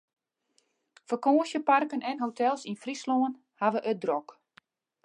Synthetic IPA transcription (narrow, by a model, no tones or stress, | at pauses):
fəkoːəsjəparkənɛnɦotɛlˠsinfrisloən | haʋəʔødrɔk